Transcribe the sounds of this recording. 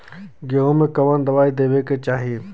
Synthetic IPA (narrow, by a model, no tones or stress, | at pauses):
ɡeɦõmẽkɐʋənd̪ɐʋaːid̪eːʋeket͡ʃaːɦije